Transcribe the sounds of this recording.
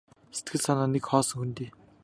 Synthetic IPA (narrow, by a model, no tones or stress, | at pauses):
se̥t̪̚ɡɘ̆ɮsanaːnekχɔːsɞ̆ŋxunt̪eː